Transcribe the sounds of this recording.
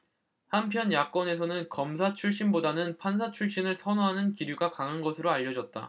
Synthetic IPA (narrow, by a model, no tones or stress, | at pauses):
hampʰjʌnjak̚k͈wʌne̞sʰʌnɯnkʌms̬ʰat͡ɕʰuɭɕ͈inbodanɯnpʰansʰat͡ɕʰuɭɕ͈inɯɭsʰʌnoɦanɯnkiɾjuɡakaŋɯnɡʌsʰɯɾoaʎːʌd͡ʑʌt̚t͈a̰